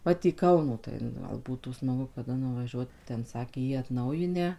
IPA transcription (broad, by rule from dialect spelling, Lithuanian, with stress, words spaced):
ˈʋɐt iː ˈkɐʊnoː tɐɪ nʊ ˈɡɐlˠ ˈbuːtuː smɐˈɡʊ kɐˈdɐ nʊʋɐˈʒʲuɔt ˈtʲɛn ˈsɑːkʲeː jiː ɐtˈnɐʊjɪnʲæː